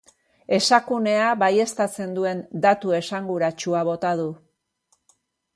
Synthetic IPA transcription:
e̞sakune̞aβaje̞st̪at͡se̞nd̪ue̞nd̪at̪ue̞saŋɡuɾat͡ʃuaβ̞o̞t̪að̞u

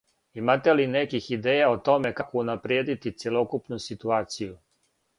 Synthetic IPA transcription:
imat̪e̞linekixid̪eːjaot̪o̞me̞kakounapɾjeːd̪it̪it̪sjelo̞kupnusit̪uaːt̪siju

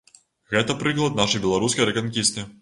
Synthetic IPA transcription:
ɣɛt̪ɐpɾɨklˠɐd̪naʂɐjbʲɛlˠaɾuskɐjɾɛkɐnkʲist̪ɨ

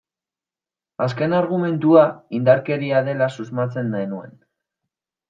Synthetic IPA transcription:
aske̞naɾɣ̞ume̞nt̪uaind̪aɾke̞ɾiaðe̞lasuzmat͡se̞nd̪enue̞̰n

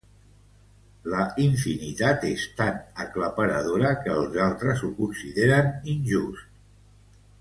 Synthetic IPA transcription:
ləiɱfinit̪at̪est̪anəkləpəɾəðoɾəkəːlˠzalˠt̪ɾəzukunsiðeɾəninʲʒust̪

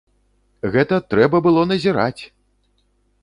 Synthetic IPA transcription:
ɣɛt̪ɐt̪ɾɛbɐbɨlˠɔnɐzʲiɾat͡sʲ

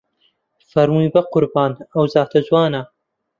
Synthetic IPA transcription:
fɐɾmujbɐqʊɾbɑːnɐwzaːt̪ʰɐzwɑːna

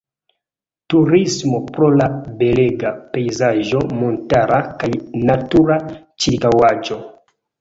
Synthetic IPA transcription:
tuɾismo̞pɾo̞labe̞leɡape̞jzaʒo̞mo̞ntaɾakajnatuɾa | t͡ʃiɾkawad͡ʒo̞

